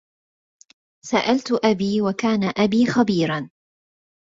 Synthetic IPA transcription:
saʔalt̪ʔabiːwakaːnaʔabiːxabiːɾan

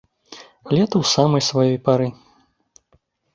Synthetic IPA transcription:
alʲɛt̪ɐwsamɐjsvajɔjpaɾɨ

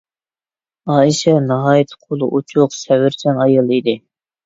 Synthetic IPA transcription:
ɑːiʃɛnɑɦɑːjit̪ʰqʰolˠuʔut͡ʃʰʊqsɛwɪɾt͡ʃʰɛnɑjɨlˠid̪ɪ

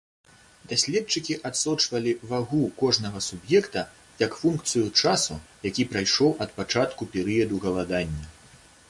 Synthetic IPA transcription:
d̪̥asʲlʲɛtt͡ʂɨkʲiʔat̪sɔt͡ʂvɐlʲivaɣukɔʐnɐɣɐsubjɛkt̪ɐ | jɐkfunkt̪sɨjut͡ʂasujakʲipɾajʂɔwʔɐt̪̚pat͡ʂat̪kupʲɛɾɨjɐd̪uɣɐlˠad̪anʲːɐ

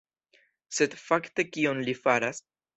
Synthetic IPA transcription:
se̞dfakte̞kio̞nlifaɾas

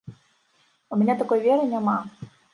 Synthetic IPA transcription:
umʲɛnʲat̪akɔjvʲɛɾɨnʲama

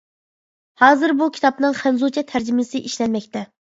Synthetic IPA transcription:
hɑːzɨɾbukʲʰi̥t̪ʰɑpnɨŋχænzut͡ʃʰɛt̪ʰæɾd͡ʒimɪsɪʔiʃlɛnmɛk̚ʲt̪ɛ

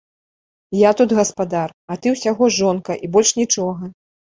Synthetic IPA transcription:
jat̪ud̪ɣɐspad̪arɐt̪ɨwsʲaɣɔʐɔnkɐʔibɔlʲʂnʲit͡ʂɔɣɐ

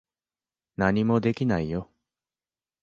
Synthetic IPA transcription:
naɲ̟imo̞d̪e̞kʲinaijo̞

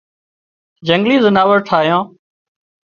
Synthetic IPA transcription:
d͡ʒəŋɡliːzɪnaːʋəɾʈʰaːɦjõː

